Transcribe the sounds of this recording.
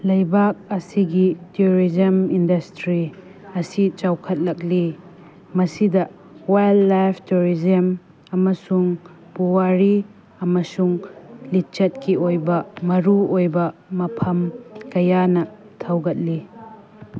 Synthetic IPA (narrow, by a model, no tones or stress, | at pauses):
lɐjbak̚ɐsiɡitiuɾizɐmindɐstɾi | ɐsit͡ʃawkʰɐt̚lɐk̚li | mɐsidɐ | wajlːajpʰtuɾizɐm | ɐmɐsuŋ | puwaɾi | ɐmɐsuŋlit͡ʃɐt̚kiʔojbɐmɐɾuojbɐmɐpʰɐmkɐjanɐ | tʰɐwɡɐt̚li